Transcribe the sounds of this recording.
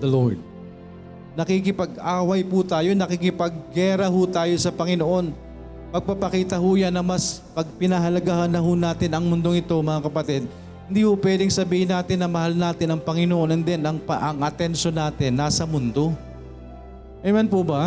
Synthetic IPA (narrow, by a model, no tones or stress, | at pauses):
d̪ɐlod̪̚ | nɐkɪkɪpɐɡʔaːwɐjpʊt̪aːjonɐkɪkɪpɐɡ̚ːɛːɾɐɦʊt̪aːjo̞sɐpɐŋɪnoʔo̞n | pɐɡ̚papɐkiːt̪ɐhʊjanːɐmɐspɐɡ̚pɪnɐɦɐlɐɡahɐnɐhʊnaːt̪ɪnɐŋmʊnd̪oŋɪt̪o̞mɐŋakɐpɐt̪ɛd̪̚ | hɪnd̪iːhʊpwɛːd̪ɪŋsɐbiːhɪnaːt̪ɪnːɐmɐhalnaːt̪ɪnɐŋpɐŋɪnoʔo̞nɐnd̪ɛnɐŋpɐʔɐŋʔɐt̪ɛnʃonaːt̪ɪnːaːsɐmʊnd̪o̞ | ʔɛmɐnpʊbɐ